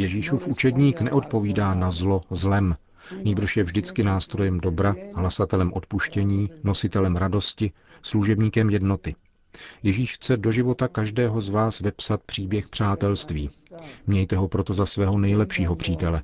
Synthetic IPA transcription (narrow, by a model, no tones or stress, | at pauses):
jɛʒiːʃufʔut͡ʃɛdɲiːknɛ̰ʔo̞t̪̚po̞viːdaːnazlo̞zlɛm | ɲiːbɾ̩ʃjɛvʒdɪt͡skɪnaːst̪ɾo̞jɛmdo̞bɾaɦlasat̪ɛlɛmʔo̞t̪puʃcɛɲiːno̞sɪt̪ɛlɛmɾado̞scɪ | sluʒɛbɲiːkɛmjɛdno̞t̪ɪ | jɛʒiːʃxt͡sɛdo̞ʒɪvo̞t̪akaʒdɛːɦo̞zvaːsvɛpsat̪̚pr̥iːbjɛxpr̝̥aːt̪ɛlst̪vḭː | mɲɛjt̪ɛɦo̞pɾo̞t̪o̞zasvɛːɦo̞nɛjlɛpʃiːɦo̞pr̝̥iːt̪ɛlɛ